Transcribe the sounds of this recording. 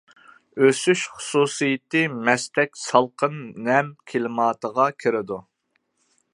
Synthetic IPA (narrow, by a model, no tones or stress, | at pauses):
øsyʃχʊ̥suːsɨjɪt̪ɨmɛst̪ɛkʲsɑlˠqʰənːɛmkʲʰelɪmɑːt̪əʁɑkʲʰɪɾɪd̪u